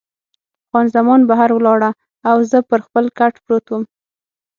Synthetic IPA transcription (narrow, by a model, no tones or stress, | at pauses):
afɣɑnzamɑnbaɦaɾwəlɑɽa | awzəpəɾxpəlkaʈpɾot̪wəm